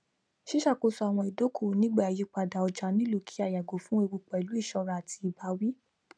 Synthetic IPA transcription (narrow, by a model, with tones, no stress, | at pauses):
ʃi˦ʃa˦˨ko˧sɔ˧a˨w̃ɔ̃˧i˨do˨˦kʰo˦˨nĩ˦ɡ͡ba˦˨ji˨˦k͡pa˧da˨ɔ˧d͡ʒa˨˦nĩ˦lo˦˨kʰi̥˨˦a˨ja˨ɡo˨fũ˦e˦˧wu˧k͡pɛ˨lu˨˦i˦˨ʃɔ˧ɾa˧a˨tʰi˧i˨ba˨˧˦wi˦